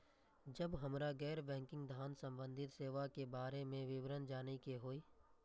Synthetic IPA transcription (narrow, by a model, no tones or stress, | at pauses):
d͡ʒəbɦəmɾaɡɛːɾbɛ̃ːŋkɪ̃ŋɡd̪ʱaːnsə̃mbə̃nd̪ʱɪt̪seːʋakebaːɾemẽʋɪʋɾənd͡ʒaːnikeɦoːiː